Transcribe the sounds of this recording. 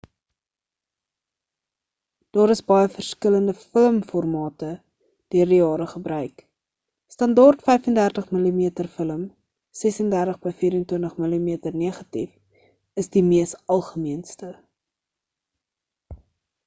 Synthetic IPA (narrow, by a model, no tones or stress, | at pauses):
d̥ɑːɾəsbɐjəfərskələndəfələmfɔrmɑːtə | d̥iərdijɑːɾəχəbrœɥk | stɐndɑrtfɛjfəndærtəχməlimiətərfələm | sɛsəndærtəχbəjfiːɾəntwəntəχməlimiətərniəχɐtḭf | əsdimiəstɐlˠχəmiənstə